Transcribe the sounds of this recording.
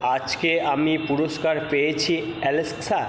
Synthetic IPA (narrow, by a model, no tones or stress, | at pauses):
ad͡ʑkeamipuɾoskaɾpejet͡ɕʰiɛlesksa